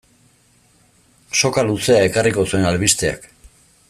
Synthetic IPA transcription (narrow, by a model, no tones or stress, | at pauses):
so̞kaluse̞ae̞kariko̞sue̞nalβist̪e̞a̰k